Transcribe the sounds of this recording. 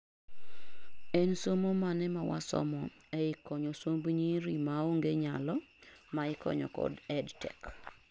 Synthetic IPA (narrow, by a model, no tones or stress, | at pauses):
ɛnsomomanɛmawa̰sɔ̰mɔ | ɛɪkɔɲɔsombɲiɾimaoŋɡeɲalɔ | maɪkɔ̰ɲɔ̰kɔ̰dɛdtɛk